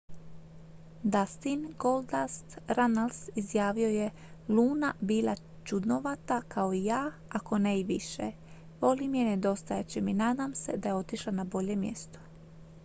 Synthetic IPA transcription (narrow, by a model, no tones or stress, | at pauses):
d̪ast̪inɡold̪ast̪ɾanalsizjaːʋio̞je | luːnabiːla̰ | t͡ʃud̪noʋat̪akʰao̞ijaː | ako̞neiʋiʃḛ | ʋo̞limijened̪o̞st̪ajet͡ɕiminaːd̪amse̞̰d̪aje̞o̞t̪iʃlanabo̞ʎe̞mje̞̰st̪o̥